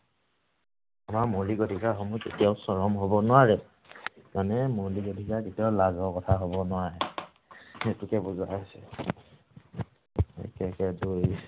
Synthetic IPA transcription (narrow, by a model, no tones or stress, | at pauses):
amamoliɡodʱikaɦɔmuzḛtijaʊsɔɹɔmɦobɔnʊwaɹɛ | manɛmoliɡodʱikaketijaʊlazɔkɔtʰaɦobɔnʊaɹɛ | etukɛbuzasɛ̰ | ḛkɛkɛduj